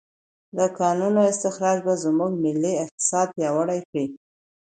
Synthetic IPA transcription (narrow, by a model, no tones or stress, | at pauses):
d̪əkɑnunoɪst̪ɪxɾɑd͡ʒbazmuɡ̚mɪlːiɪq̚t̪ɪ̥sɑd̪̚pjɑwəɽajkɽi